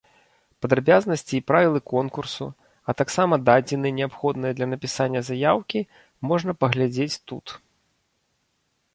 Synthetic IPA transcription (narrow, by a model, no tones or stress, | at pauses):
pɐd̪ɾabʲaznɐsʲt͡sʲiːpɾavʲilˠɨkɔnkursu | ɐt̪aksamɐd̪ad͡zʲinɨnʲɛapxɔd̪nɨjɐd̪lʲɐnɐpʲisanʲːɐzajawkʲi | mɔʐnɐpɐɣlʲad͡zʲet͡sʲt̪ut̪